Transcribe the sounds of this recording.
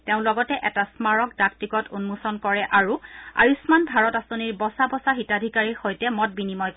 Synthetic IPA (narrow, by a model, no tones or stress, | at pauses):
teʊ̃lɔɡɔtɛʔɛtasmaɹɔkdaktikɔtunmusɔnkɔɹɛʔaɹua̰jusmanbʱaɹɔtasoniɹbɔsabɔsaɦitadʱikaɹiɹxojtɛmɔt̚binimɔj